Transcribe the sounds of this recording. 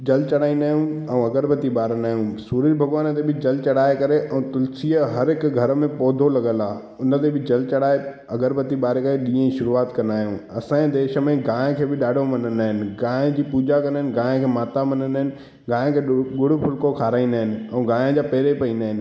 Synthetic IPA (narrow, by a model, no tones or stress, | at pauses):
d͡ʑɐlt͡ɕɐɽaːĩnd̪aːɦjũɛ̃ɐɡəɾbət̪iɓaːɾənaːɦjũsuːɾəd͡ʑbʱɐɡʋaːnət̪̬ebɪd͡ʑɐlt͡ɕɐɽaːekɐɾeʔɛ̃t̪ʊlsiəɦɐɾɦɪkɡʱɐɾmẽpɔːd̪ʱolɐɠə̃laː | ʊnə̆t̪̬ebɪd͡ʑɐlt͡ɕɐɽaːe | ɐɡəɾbɐt̪iɓaːɾekɐeɗĩːə̃ĩʃʊɾuaːt̪kɐ̃nd̪aːɦijũɐsãːed̪eːʃə̆mẽɡãːkʰeːbɪɗaːɖʱomɐnən̆aːɦɪnɪ̆ɡãːd͡ʑiːpuːd͡ʑakɐ̃ndaːɦɪ̃nɪ̆ɡãːkʰeːmaːt̪amɐnənaːɦɪnɪ̆ | ɡãːkʰeːɡʊɽ̤ʊpʰʊlkokʰaːɾaːĩːnd̪aːɦɪnɪ̆ɛ̃ũːɡaːɪə̃d͡ʑaːpɛːɾepɐĩːnd̪aːɦɪnɪ̆